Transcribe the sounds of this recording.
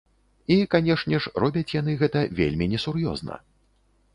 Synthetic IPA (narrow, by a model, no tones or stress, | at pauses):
ikanʲɛʂnʲɛʂrɔbʲɐt͡sʲjan̪ɨɣɛt̪ɐvʲḛlʲmʲinʲɛsurjɔ̰znɐ̰